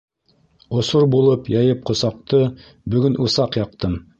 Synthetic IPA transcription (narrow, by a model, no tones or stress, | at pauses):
ŏsoɾbulˠɤpjɑjɤp̚qŏsɑq̚t̪ɤ | bɵ̆ɡɵnʔusɑqjɑqt̪ɤm